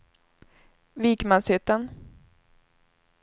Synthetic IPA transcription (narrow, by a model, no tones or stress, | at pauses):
vikmansɪt̪ːən